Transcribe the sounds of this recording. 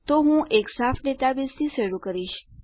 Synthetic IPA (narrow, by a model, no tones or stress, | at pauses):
t̪oɦũʔeksafʰɖet̪abist̪ʰiseɽukəɾiʃ